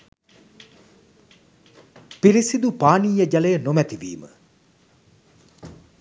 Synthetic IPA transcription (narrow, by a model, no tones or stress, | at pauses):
piɾisid̪upaːniːjəd͡ʒalejənomæt̪iʋḭːmə̰